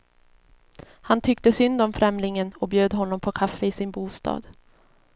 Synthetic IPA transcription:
hant̪ʰʏkt̪əsʏnd̪ɔmfɾɛmlɪŋənɔbjøːd̪ɦɔnːɔmpʰɔkʰafːəɪsɪnbuːst̪ɑ̰ːd̪̥

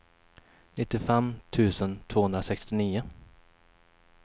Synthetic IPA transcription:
nɪt̪ːɪfɛmːt̪ʰʉ̟ːsənt̪ʰvoːhɵnɾasɛkst̪ɪniːʊ

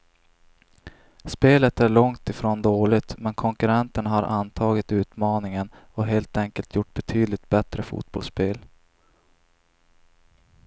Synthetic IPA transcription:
speːlət̪æɭɔŋt̪ɪfɾoːnd̪oːɭɪt̪mɛnkʰɔŋkɵɾɛnt̪əɳhaɾʔant̪ʰɑːɡɪt̪ʉ̟ːt̪mɑːnɪŋən | ɔɦeːlt̪ɛŋkəlt̪ʰjʊʈːbɛt̪ʰyːd̪lɪt̪̚bɛt̪ɾəfṵːt̪̚bɔ̰lspeːl

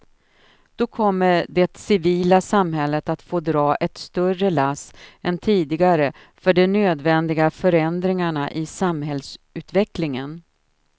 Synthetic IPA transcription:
d̪̥ɔkʰɔmːəɖɛt̪sɪviːlasamɦɛlːət̪at̪foːd̪ɾɑːʔɛt̪st̪œrəlasɛnt̪ʰiːd̪ɪɡaɾə | fœɖɛnøːd̪vɛnd̪ɪɡafœɾɛnd̪ɾɪŋaɳaʔɪsamhɛlsʉ̟ːt̪vɛklɪŋən

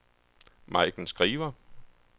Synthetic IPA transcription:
mɑ̈ɪd̥n̩sɡ̥ʁiːʋɐ

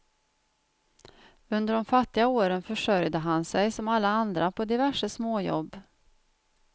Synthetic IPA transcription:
ɵnd̪əɾɖɔmfat̪ːɪɡaoːɾənfœʂœɾjd̪əɦansɛjsɔmalːaand̪ɾapʰɔd̪ɪvæʂəsmoːjɔ̰bː

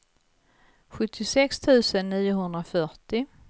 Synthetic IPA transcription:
ɧɵt̪ʰːɪsɛkst̪ʰʉ̟ːsənːiːʊɦɵnd̪ɾafœʈɪ

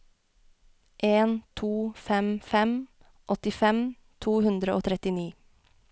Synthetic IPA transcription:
ʔeːnt̪ʰuːfɛmfɛm | ʔɔt̪ɪfɛm | t̪ʰuːhʉnd̪ɾəʔoːt̪ʰɾɛt̪ɪniː

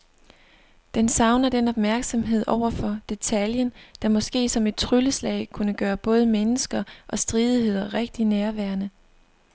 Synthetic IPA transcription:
d̥ensɑ̈ʊnɐd̥enɒ̽b̥̚mæɐɡ̥sɒ̽mɦe̝ð̰ˠɒʊ̰ɐfɒ̽d̥e̝t͡sʰæljənd̥ɑ̈mɒ̽sɡ̥e̝̰ːsɒ̽me̝d̥̚t͡sʰʁyləslɛ̰ɪkʰunəɡ̥ɶːɐb̥ɔ̽ːð̞ˠmenəsɡ̥ɐʔɒ̽sd̥ʁiːð̞ˠihe̝ð̞̰ˠɐʁeɡ̥̚d̥inæɐʋæɐnə

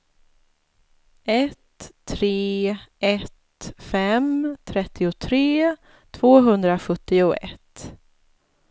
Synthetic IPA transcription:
ɛt̪ʰːɾeːʔɛt̪fɛmt̪ʰɾɛt̪ʰːɪʊt̪ʰɾeː | t̪ʰvoːɦɵnd̪ɾaɧɵt̪ːɪʊɛ̰t̪ː

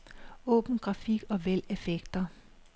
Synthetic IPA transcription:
ɔ̽ːb̥n̩ɡ̥ʁɑ̈fiɡ̥ɒ̽ʋel̰e̝feɡ̥d̥ɐ

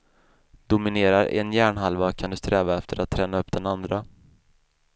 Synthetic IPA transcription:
d̪ʊmɪneːɾaɾɛ̰njæːɳɦalvakʰand̪ɵst̪ɾɛːvaɛft̪ʰəɾʔat̪ʰːɾɛːnaɵpːd̪̥ɛnand̪ɾa

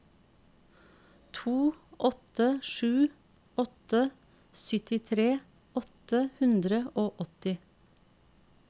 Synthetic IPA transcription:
t̪ʰuːʔɔt̪əʃʉː | ɔt̪ə | sʏt̪ɪt̪ʰɾeː | ɔt̪əhʉnd̪ɾəʔoːʔɔt̪ɪ

